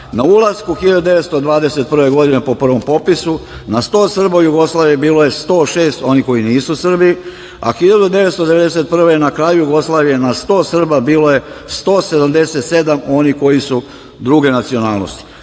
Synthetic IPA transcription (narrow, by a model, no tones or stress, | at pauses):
naulˠazkuxiʎad̪ud̪eet̪st̪od̪ʋaːd̪ese̞t̪̚pr̩ʋe̞ɡo̞d̪inepo̞pr̩ʋo̞mpo̞pisu | nast̪o̞ːsr̩baujuɡo̞slˠaːʋijebiːlo̞je̞st̪o̞ːʃe̞ːst̪o̞niko̞jiniːsusr̩bi | a̰xiʎad̪ud̪e̞ʋet̪st̪od̪e̞ʋe̞d̪ese̞t̪̚pr̩ʋe̞jnakɾaːjujuɡo̞slaːʋije̞nast̪o̞ːsr̩babiːlo̞je̞st̪o̞ːse̞d̪amd̪e̞se̞t̪se̞d̪amo̞niko̞jisu | d̪ɾuːɡe̞nat̪sio̞naːlˠno̰st̪i̥